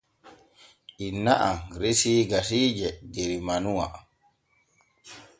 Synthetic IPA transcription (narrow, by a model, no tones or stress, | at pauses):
ʔinːaʔaɾesiːɡasiːd͡ʒɛɡeɾimanuwa̰